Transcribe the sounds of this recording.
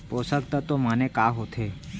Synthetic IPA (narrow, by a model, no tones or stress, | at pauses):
posək̚t̪at̪omanekaɦot̪ʰe